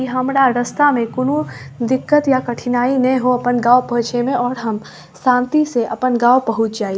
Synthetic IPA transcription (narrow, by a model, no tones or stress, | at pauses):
iɦɐmɾaɾɐst̪amẽkʊnuːɾd̪ɪkːət̪jakɐʈʰɪnaːinɛ̃ɦoɐpənɡaːwpɐt͡ʃemẽɔːɾɦɐm | sãːnt̪iseʔɐpənɡaːopɐɦʊt͡ʃd͡ʒaːi